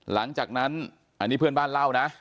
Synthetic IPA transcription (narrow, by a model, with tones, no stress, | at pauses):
la̰˧˦ŋt͡ɕaː˨˩k̚na˧˥n | ʔaː˨˧˩niː˨˦˥pʰɨ˧ənɓaː˧nlaː˧˩wna˨˦˥